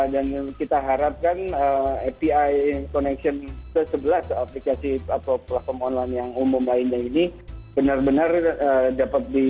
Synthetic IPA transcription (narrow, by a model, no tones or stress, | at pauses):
dankit̪aɦaɾap̚kanəɛpiajkonɛksiɔnt̪əsəbəlasaplikasiat̪aplahfɔrmɔnlajnjaŋumʊmlaɪnɲainib̥ənarbənarədapat̪̚di